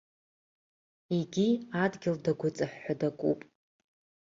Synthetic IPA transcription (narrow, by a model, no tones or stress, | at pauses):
iɡʲiadɡʲɪldaɡʷʊt͡sʼɨħːadakʷʼupʼ